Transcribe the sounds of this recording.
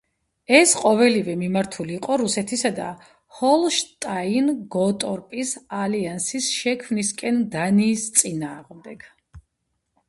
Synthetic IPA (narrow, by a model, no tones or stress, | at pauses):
ɛsqʼɔvɛlivɛmimaɾt̪ʰuliːqʼɔɾusɛt̪ʰisad̪a̰ | hɔlˠʃt̪ʼainɡɔt̪ʼɔɾpʼisaliansisʃɛkʰmniskʼɛnd̪aniːst̪sʼinaːʁmd̪ɛɡ̥